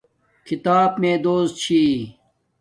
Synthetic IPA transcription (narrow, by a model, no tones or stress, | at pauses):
kʰit̪aːbmẽːd̪oːs̚t͡ɕʰiː